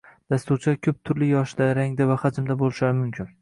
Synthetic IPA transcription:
d̪̥ast̪uɾt͡ʃʰakʲʰɵp̚t̪ʰʊɾlɪjɒʃd̪aɾaŋd̪avahad͡ʒɪmd̪abolˠɪʃaɾɪmʊmkʲʰɪn

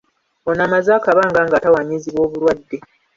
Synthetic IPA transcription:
onamazaːkaβaːŋɡaːŋɡaːtawaɲiziβo̞ːβuɾwadːe

